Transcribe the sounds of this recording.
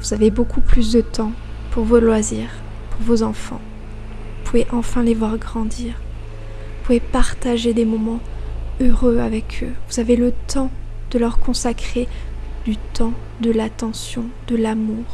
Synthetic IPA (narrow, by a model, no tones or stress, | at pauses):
vuzavebokʰuplys̬d̪ət̪ɑ̃ | puʁvolwaziːʁ | puʁvozɑ̃fɑ̰̃ | upuveʔɑ̃fɛ̃levwaʁɡʁɑ̃d̪iːʁ | vupuvepaʁt̪aʒed̪emɔmɑ̃øʁøavɛkʰøvuzavelət̪ʰɑ̃ | d̪̥əlœʁkɔ̃sakχed̪yt̪ɑ̃ | d̪əlat̪ɑ̃sjɔ̃ | d̪̥əlamuːʁ